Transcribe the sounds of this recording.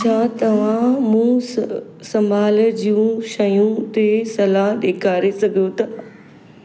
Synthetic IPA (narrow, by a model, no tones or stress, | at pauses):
t͡ʃʰat̪ɐʋ̤ãmũ | sɐmaːld͡ʑiũʃɐjũt̪esɐlaɦɗeːkʰaːɾesɐɡʱijot̪ɐ